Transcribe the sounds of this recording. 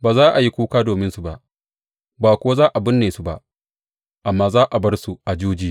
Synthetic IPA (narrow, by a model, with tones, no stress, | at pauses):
baː˨zaː˦ʔa˨ji˦kʷuː˦kaː˦doː˨mɪ˦nsu˨ba˦˨ʔ | baː˨kʷʊ˦a˦zaː˦ʔa˨bɪ˦nːeː˨su˨ba̰˦ʔ | ʔa˨mːaː˦zaː˦ʔa˨bɐ˦rsu˨ʔa˨d͡ʒuː˦d͡ʒiː˦